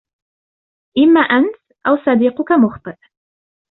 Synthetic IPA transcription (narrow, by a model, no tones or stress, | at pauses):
ʔɪmːaːʔant̪ | ʔawsˤɑd̪iːqʊkamʊxt̪ˤɨʔ